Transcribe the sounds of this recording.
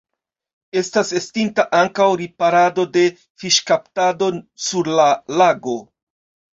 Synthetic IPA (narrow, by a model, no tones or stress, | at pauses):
e̞stase̞stintaʔaŋkawɾipaɾado̞de̞ | fiʃkaptado̞suɾlalaɡo̞